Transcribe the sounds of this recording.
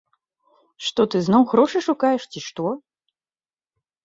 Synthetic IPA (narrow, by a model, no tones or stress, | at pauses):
ʂt̪ɔt̪ɨznɔwɣɾɔʂɨʂukajɛʂt͡sʲiʂt̪ɔ